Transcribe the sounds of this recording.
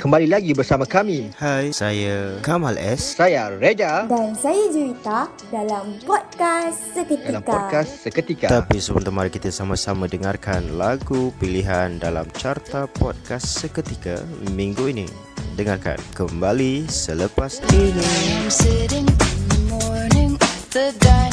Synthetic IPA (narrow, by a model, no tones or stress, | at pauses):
kəmbalilaɡibərsamãkamĩhajsajakamalʔɛssajared͡ʒadansajad͡ʒuit̪a | dalampɔd̚kasːəkət̪iamkakassəkət̪ikat̪apisəmə̰nt̪amaɾikit̪asamãsamãdəŋarkanlaɡupiliɦandala̰mt͡ʃart̪apɔt̚kasːəkət̪ika̰mĩŋɡuinḭ | dəŋarka̰nkəmbalisələpasd̪inisəɾiŋmɔnəŋt̪əda